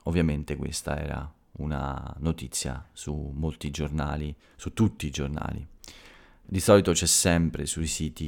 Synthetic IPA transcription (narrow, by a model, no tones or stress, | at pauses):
ovːjament̪ekwḛst̪a̰ɛ̰ːɾa̰ | una̰not̪it̪sːja̰sumːolt̪id͡ʒornaːli | sut̪ːut̪ːiːd͡ʒorna̰ːlḭ | d̪isɔːlit̪ot͡ʃɛsːɛmpɾesuisiːt̪i